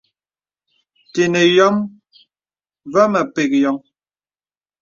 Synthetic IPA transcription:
te˨ne˨jɔ˦m | va˦mə˨pe˨k̚jɔ˨˦ŋ

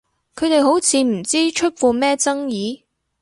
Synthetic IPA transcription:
kʰɵ˨˧ɥt̪e˨jɦo˨˥wt͡sʰiː˨˧m̩˨˩t͡siː˥t͡ʃʰɵ˥t̚fuː˧mɛː˥t͡sɐ˥ŋjiː˨˧

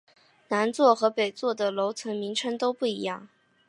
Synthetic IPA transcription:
na˧˥nt͡swɔ˥˩xɤ˧˥pe˨˩ɪt͡swɔ˥˩d̪ə˩lo˧˥ʊt͡sʰɤ˧˥ŋmi˧˥ŋʈ͡ʂʰɤ˥ŋt̪o˥ʊpu˥˩i˧˥jɑ˥˩ŋ

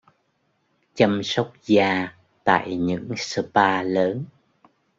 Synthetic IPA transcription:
t͡ɕə˧msə˦˥wk͡p̚zaː˧ | t̪a̰ː˧˨jɲɨ̰˧˥ŋsə˧paː˧ləː˨˦n

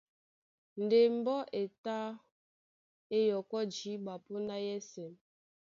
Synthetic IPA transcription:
n̩˨de˨m˦bɔ˦ʔe˨ta˦ | e˦jɔ˨kɔ˦d͡ʒi˨˦ɓa˨po˦na˦jɛ˦sɛ˨m

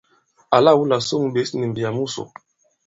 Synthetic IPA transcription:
a˨la˦˨wu˦la˨so˦ŋ˨be˨˦sni˨m˨bi˨a˨mu˦so̰˨

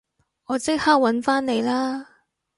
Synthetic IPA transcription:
ɔː˨˧t͡sɪ˥k̚haː˥k̚wɐ˨˥nfaː˥nne˨˧jlaː˥

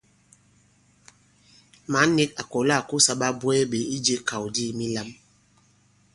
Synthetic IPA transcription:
ma˨˦ne˦ka˨ko˨la˦˨ku˦sa˦ɓa˦bwɛ˦ɓe˨i˦d͡ʒe˦kʰa˨wdi˦˨mi˦la˦m

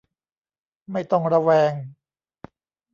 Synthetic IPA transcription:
ma˥˩jt̪ɔ˥˩ŋɾa˧wɛː˧ŋ

